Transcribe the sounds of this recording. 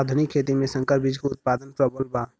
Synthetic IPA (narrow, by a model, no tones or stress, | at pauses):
ad̪ʱənikʰːeːt̪imẽsə̃ŋkəɾbid͡ʒkoʊt̪̚paːd̪ənpɾəbolbaː